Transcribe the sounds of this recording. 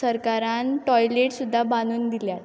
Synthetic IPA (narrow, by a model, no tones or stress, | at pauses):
əɾkaɾanʈɔjleʈsud̪ʱːabanuːnd̪iljat̪